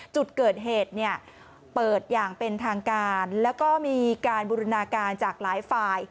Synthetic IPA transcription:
t͡ɕu˨˩t̪̚kɤː˨˩t̪̚ɦeː˨˩t̪̚ni˥˩ɐ | pɤː˨˩t̪̚jaː˨˩ŋpe˧nt̪ʰaː˧ŋkaː˧nlɛː˦˥wkɔː˥˩miː˧kaː˧nbuː˧ɾu˧naː˧kaː˧nt͡ɕaː˨˩k̚laː˩˦jfaː˧j

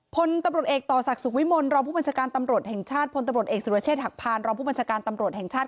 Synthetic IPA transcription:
pʰo˧nt̪a˧mɾu˨˩t̪̚ʔeː˨˩k̚t̪ɔː˨˩sa˨˩k̚su˨˩k̚wi˦˥mo˧nɾɔː˧ŋpʰuː˥˩ba˧nt͡ɕʰaː˧kaː˧nt̪a˧mɾu˨˩ət̪̚hɛ˨˩ŋt͡ɕʰaː˥˩t̪̚pʰo˧nt̪mɾu˨˩ət̪̚ʔeː˨˩ksu˨˩˧t͡ɕʰeː˥˩t̪̚ha˨˩k̚pʰaː˧nɾɔː˧pʰu˥˩ba˧nt͡ɕʰaː˧kaː˧nt̪a˧mɾu˨˩ət̪̚hɛ˨˩ŋt͡ɕʰaː˥˩t̚

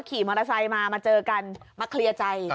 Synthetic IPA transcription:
kʰiː˨˩˦mɔː˧ɾa˧sa˧jmaː˧maː˧t͡ɕɤː˧ka˧nmaː˧kʰli˧ɐt͡ɕa˧j

